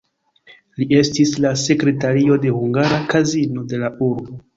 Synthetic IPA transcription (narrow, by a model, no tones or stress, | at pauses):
lie̞stislase̞kɾe̞taɾio̞de̞huŋɡaɾakazino̞de̞lauɾbo̞